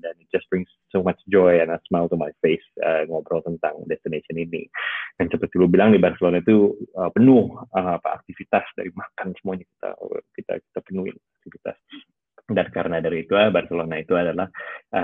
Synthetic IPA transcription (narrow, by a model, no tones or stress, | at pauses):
danid͡ʒaspɾɪŋsːomat͡ʃd͡ʒɔjanasmalt̪umajfesəŋɔbɾɔlt̪ənt̪aŋdɛst̪inesiəninḭdaŋt͡ʃəpərt̪ilubilaŋnibarsəlonait̪uəpənʊhəapa̰ːk̚t̪ifit̪asda̰ɾimakansəmuaɲaki̥t̪a̰kit̪a̰ki̥t̪apənuɪ̰nak̚t̪ifit̪a̰s | dankaɾənadaɾiːt̪uabarselonait̪uadalahʔə